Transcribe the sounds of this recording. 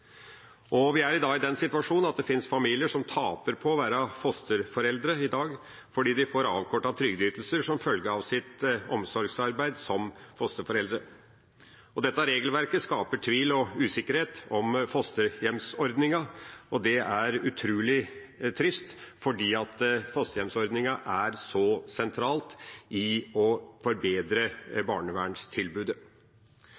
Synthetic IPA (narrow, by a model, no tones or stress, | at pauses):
ʔɔʋɪæɾɪd̪ɑːɡɪd̪ɛnːsɪt̪ʋɑʂuːnɑt̪̚d̪ɛfɪnsfɑmiːlɪəʂɔmt̪ʰɑːpəɾpʰɔɔʋæːɾɑfɔst̪əɾfɔɾɛld̪ɾəɪd̪ɑːɡ | fɔɖiːd̪ɪfoːɾɑ̰ːʋkʰɔʈːɑt̪ʰɾʏɡd̪yːt̪lsəʂɔmfœlɡəɾɑʋsɪt̪ɔmsɔɾɡsɑɾbæɪd̪sɔmfɔst̪əɾfɔɾɛld̪ɾə | ɔd̪ɛt̪ːəɾeːɡəlʋæɾkəskɑːpəʈʰʋiːlɔʉːsɪkːəɾheːt̪ɔmfɔst̪əjɛmsɔɾd̪nɪŋɑɔd̪ɛæɾʉt̪ʰɾʉːlɪt̪ʰɾɪst̪fɔɖiːɑt̪fɔst̪əjɛmsɔɾd̪nɪŋɑʔæɾsɔsɛnt̪ʰɾɑːlt̪ʔɪɔfɔɾbeːd̪ɾəbɑ̰ːɳəʋæːɳst̪ʰɪlbʉːd̪ə